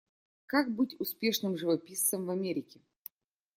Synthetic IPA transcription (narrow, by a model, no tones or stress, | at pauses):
kak̚bɨtʲʊspʲe̞ʂnɨmʐɨvɐpʲist̪səmvɐmʲeɾʲɪkʲɪ